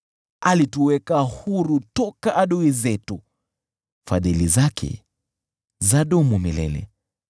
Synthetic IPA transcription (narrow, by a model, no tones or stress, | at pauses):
alituwɛkahuɾutɔkaʔaɗuizɛtu | fa̰ðilizakʰɛ̰ | zaɗɔmumilɛ̰lɛ̰